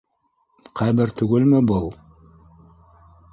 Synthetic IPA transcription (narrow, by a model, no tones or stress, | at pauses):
qʰæbɘɾt̪ʉɡɘlmɘbulˠ